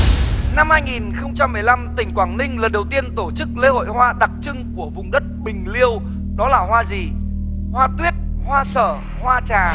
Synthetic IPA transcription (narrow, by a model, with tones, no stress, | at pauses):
na˧mhaː˧jŋi˨˩nxə˧wŋ͡mt͡ɕa˧mːɨ˨˩əjla˧mt̪ï˨˩ŋ̟kwaː˧˨˩ŋnï˧ŋ̟lə˨˩nɗə˨˩wt̪i˧ənt̪o˧˩t͡ɕɨ˦˥k̚le˧˦ho̰˧˨jhwaː˧ɗa˨˩k̚t͡ɕɨ˧ŋku˧˩əvʊ˨˩ŋ͡mɗə˦˥t̚ɓï˨˩ŋ̟li˧əw | ɗɔ˨˦laː˨˩ɦwaː˧zi˨˩ | hwaː˧t̪wi˦˥ət̚hwaː˧səː˧˩ | hwaː˧t͡ɕaː˨˩